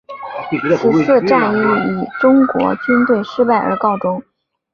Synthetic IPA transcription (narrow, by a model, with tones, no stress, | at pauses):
ʂ̩˥˧sɤ˥˧ʈ͡ʂa˥˧ni˥˩˥i˨˩ʈ͡ʂʊ˥ŋkwɔ̰˧˥t͡ɕy˥nt̪we˥˩ɪʂɻ̩˥pa˥˩ɪʔə̰˞˧˥kɑ˥˩ʊʈ͡ʂʊ˥ŋ